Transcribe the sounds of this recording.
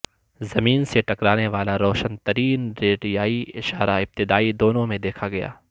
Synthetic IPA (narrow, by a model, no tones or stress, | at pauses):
zɐmiːnseʈɐkɾaːneʋaːlaɾɔːʃənt̪ɐɾiːnɾeːɖijaːiɪʃaːɾaɪb̚t̪ɪd̪aːid̪oːnõmẽd̪eːkʰaɡɐja̰ː